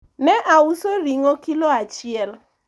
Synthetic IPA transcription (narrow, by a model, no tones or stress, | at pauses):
nɛʔausoɾiŋokiloat͡ʃɪɛl